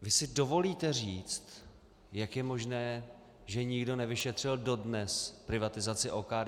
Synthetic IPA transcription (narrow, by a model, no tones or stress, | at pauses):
vɪsɪdo̞vo̞liːt̪ɛriːt͡st̪ | jakjɛmo̞ʒnɛː | ʒɛɲɪɡdo̞nɛvɪʃɛt̪r̝̥ɪldo̞dnɛspɾɪvat̪ɪzat͡sɪʔokaːd